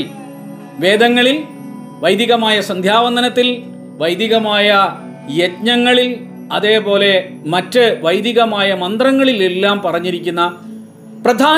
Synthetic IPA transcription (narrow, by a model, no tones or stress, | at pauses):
ʋe̞ːd̪ɐŋːɐɭil | ʋɐjd̪iɣɐmaːjɐsɐnd̪ʱjaːʋɐnd̪ʱɐnɐt̪ːil | ʋɐjd̪iɣɐmaːjɐ | jetɲɐŋːɐɭil | ɐðe̞ːpo̞ːle̞ | mɐtːɨʋɐjd̪iɣɐmaːjɐmɐnd̪rɐŋːɐɭilelːaːmpɐrɐɲːiɾikʲːunːɐ | prɐd̪ʱaː